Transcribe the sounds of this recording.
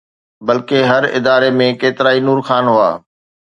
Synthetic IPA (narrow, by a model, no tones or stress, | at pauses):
bɐlkeɦɐɾɪ̰d̪aːɾemẽkeːt̪ɪɾaːinuːɾxaːnɦʊa̰ː